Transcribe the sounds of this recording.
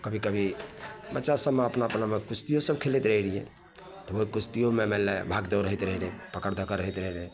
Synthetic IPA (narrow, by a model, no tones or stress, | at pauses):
kəbʱikəbʱibətːʃasəbmeəpnaəpnamekust̪ijosəbkʰelet̪ɾəɦilijɛ̰ | t̪ɔoɦikust̪ijomemɛlebʱaɡd̪əwɾəɦit̪ɾəɦilɛpəkəɾd̪ʱəkəɾəɦit̪ɾəɦile